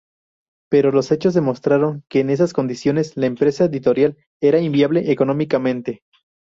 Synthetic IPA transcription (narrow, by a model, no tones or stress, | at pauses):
pe̞ɾo̞lo̞se̞t͡ʃo̞zðe̞mo̞st̪ɾaɾo̞ŋke̞ːne̞s̬asko̞nd̪isjo̞ne̞slaempɾe̞saeðit̪o̞ɾjal | e̞ɾaimbjaβle̞ʔeko̞no̞mikamẽnt̪e̞